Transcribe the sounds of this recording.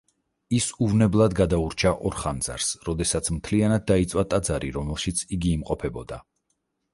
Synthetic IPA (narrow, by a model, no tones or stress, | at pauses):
isuvnɛblˠad̪ɡad̪auɾt͡ʃʰaʔɔɾχand̪za̰ɾsɾɔd̪ɛsat̪sʰmt̪ʰlianad̪̚ːait̪sʼwat̪ʼad̪zaɾiɾɔmɛlˠʃit̪sʰiɡiːmqʼɔpʰɛbɔd̪a